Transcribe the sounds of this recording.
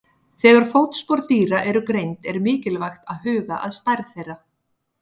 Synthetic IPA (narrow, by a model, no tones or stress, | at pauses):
θɛːɣaɾ̥fowt̪spɔɾt̪iːɾaʔɛɾʏkɾejnt̪ɛɾmɪːcɪlvajxt̪aðhʏːɣaʔaðst̪ajɾθejrːa